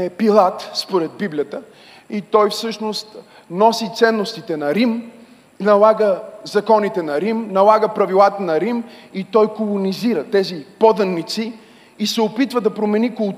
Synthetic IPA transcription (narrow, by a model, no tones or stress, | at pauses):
ɛpilˠat̪spoɾɛd̪̚biblijət̪ə | it̪ɔjfsɤʃnost̪ | nɔsit̪sɛnːost̪it̪ɛnɐɾim | nɐlˠaɡəzɐkɔnit̪ɛnɐɾimnɐlˠaɡəpɾɐvilˠat̪ənɐɾimit̪ɔjkolˠoniziɾət̪ɛzipɔd̪ɐnːit̪siː | sɛopit̪vəd̪ɐpɾomɛnikolˠ